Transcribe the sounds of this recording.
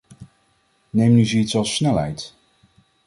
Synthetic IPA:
nejmnyzəitsɑlˠsnɛlɦɛjt

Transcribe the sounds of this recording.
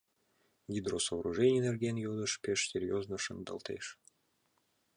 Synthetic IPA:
ɡʲid̪rosovɾuʐɛnʲɪjnerɡʲenjod̪əʃpʲeʃsʲerʲjoznəʃɨnd̪ə̰lˠt̪ḛʃ

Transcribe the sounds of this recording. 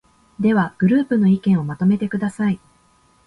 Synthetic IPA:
d̪e̞βaɡ̥ɯ̟ɾɯ̟ːpɯ̟no̞ikẽɰ̃o̞mat̪o̞me̞t̪e̞kɯ̟d̪asai

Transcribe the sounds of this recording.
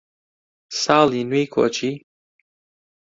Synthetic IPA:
saːlinwikʰo̰t͡ʃi

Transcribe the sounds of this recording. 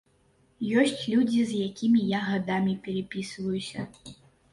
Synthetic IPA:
jɔsʲt͡sʲlʲud͡zʲizjakʲimʲijaɣad̪amʲipʲɛɾɛpʲisvɐjusʲɐ

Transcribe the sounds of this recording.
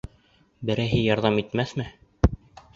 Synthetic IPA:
bɘ̆ɾæjɦɘjɑɾðɑmit̪mæθmɘ

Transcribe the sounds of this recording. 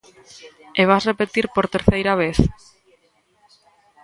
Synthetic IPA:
eβ̞asrepet̪iɾpoɾt̪eɾθejɾaβ̞eθ

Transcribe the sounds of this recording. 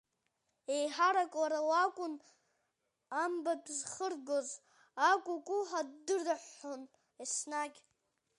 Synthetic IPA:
e̞jħaɾakʼwaɾawakʷʼʊn | ambabzχərɡoz | akʷʼʊkʼʊħadɨraħːon | esnaɡʲ

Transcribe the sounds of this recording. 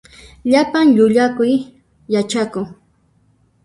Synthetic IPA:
ʎapaŋʎʊʎakʊjː | at͡ʃakʊŋ

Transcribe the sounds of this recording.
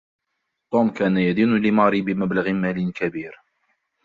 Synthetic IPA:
t̪ˤuːmkaːnajad̪iːnʊlɪmɑɾibɪmablaɣɪmaːlɪnkabiːɾ

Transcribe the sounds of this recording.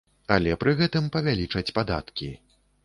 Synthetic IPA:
ɐlʲɛpɾɨɣɛt̪ɨmpɐvʲalʲit͡ʂɐt͡sʲpad̪a̰t̪kʲi

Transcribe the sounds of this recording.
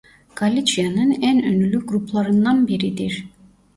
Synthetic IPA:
ɡ̥alʲit͡ʃʰijanɯnænønylʲyɡɾupʰlˠɑɾɯnd̪ɑnbiɾid̪iɾ

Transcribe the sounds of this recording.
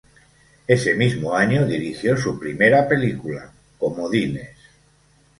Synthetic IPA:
e̞se̞mizmoaɲoðiɾixjo̞supɾimeɾape̞likula̰ | ko̞moðines

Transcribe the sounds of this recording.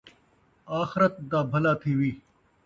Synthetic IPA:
aːxɪɾət̪̚d̪aːbʱɐlaːt̪ʰiːʋiː

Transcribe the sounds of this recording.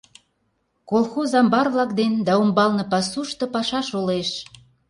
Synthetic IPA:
kolˠxozɑmbɑrβlɑkd̪end̪ɑumbɑlnɤ̆pɑsuʃt̪ɤ̆pɑʃɑʃoleʃ

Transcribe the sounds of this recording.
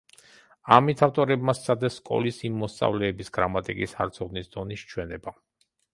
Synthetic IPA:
amit̪ʰaft̪ʼɔɾɛbmast̪sʰad̪ɛsːkʼɔ̰lisimːɔst̪sʼa̰vlɛːbisɡ̥ɾamat̪ʼikʼisa̰ɾt̪sʰɔd̪nisd̪ɔniʃt͡ʃʰwɛnɛba

